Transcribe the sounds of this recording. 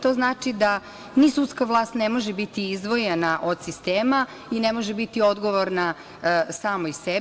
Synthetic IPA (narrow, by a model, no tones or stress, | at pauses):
t̪o̞ːznaːt͡ʂid̪a | nisut̪skaʋlˠaːst̪nemo̞ʒebit̪iizd̪ʋo̞jenaʔod̪sist̪eːma | inemo̞ʒebit̪io̞d̪ɡo̞ʋoɾna | saːmoise